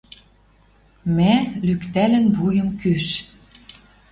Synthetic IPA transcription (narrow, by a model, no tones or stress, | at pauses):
mælykt̪ælɘ̆nβujə̆mkyʃ